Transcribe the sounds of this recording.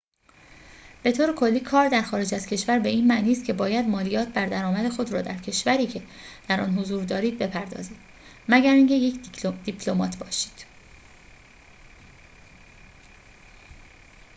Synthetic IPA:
b̥e̞t̪ʰoːɾekʰo̞lːiːkʰɒːɾd̪æɾxɒːɾe̞d͡ʒæzcʰe̞ʃvæɾbe̞iːnmæʔniːs̬t̪̚cʰe̞bɒːjæd̪mɒːlijɒːt̪̚ʰbæɾd̪æɾɒːmæd̪e̞xo̞d̪ɾɒːd̪æɾcʰe̞ʃvæɾiːcʰe̞d̪̥æɾɒ̰ːnɦozuːɾd̪ɒːɾiːd̪̚be̞pʰæɾd̪ɒ̰ːziːd̪̥ | mæɟæɾiŋcʰe̞jecʰd̪ipʰlomɒːt̪ʰbɒːʃi̥ːd̪̥

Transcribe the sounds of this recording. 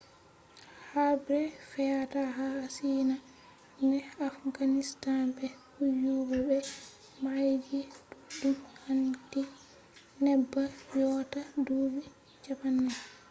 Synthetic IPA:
habɾɛfɛataɦaːsiːna | nɛafɡanistanbɛhujubɛbɛ | majd͡ʒɛdudumhanti | nɛbːajɔtadubi | t͡ʃapanːa

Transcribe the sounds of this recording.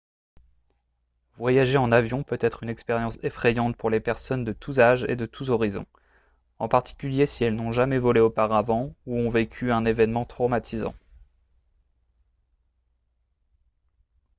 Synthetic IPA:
vwajaʒeɑ̃navjɔ̃pøt̪ɛt̪χynɛkspɛʁjɑ̃sefχɛjɑ̃t̪̚puʁlepɛʁsɔnd̪ət̪ʰuzaʒḛd̪ət̪ʰuzɔʁizɔ̰̃ | ɑ̃paʁt̪i̥kʲyljesiɛlnɔ̃ʒamɛvɔleopaʁavɑ̃uɔ̃vekʲʰyɛ̃nevɛnmɑ̃t̪χomat̪ʰizɑ̰̃

